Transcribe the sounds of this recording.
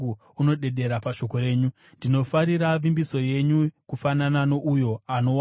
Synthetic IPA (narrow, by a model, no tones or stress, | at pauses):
u | uno̞ɗe̞ɗe̞ɾapaʃo̞ko̞ɾe̞ːɲu | ndino̞faɾiɾaʋimbiso̞je̞ɲukufananano̞ʔujo̞ano̞w